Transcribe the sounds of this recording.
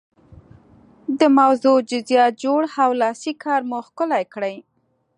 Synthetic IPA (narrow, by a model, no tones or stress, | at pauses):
d̪əmawzod͡ʒʊzjɑt̪̚d͡ʒoɽawlɑsikʰɑɾmuxkʊlajkɽəj